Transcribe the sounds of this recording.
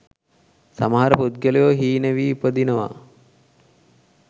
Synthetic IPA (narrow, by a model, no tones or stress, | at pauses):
samaɦaɾəpud̪̚ɡelejoɦiːnəʋiːupəd̪inəʋa̰